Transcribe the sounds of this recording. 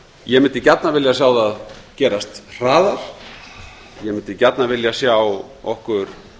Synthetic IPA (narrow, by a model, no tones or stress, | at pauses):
jɛmɪnt̪ɪcat̪navɪljasjaːwðaðcɛːɾast̪r̥aːðaɾ̥ | jɛmɪnt̪ɪcat̪navɪljasjaw | ɔhkʏɾ̥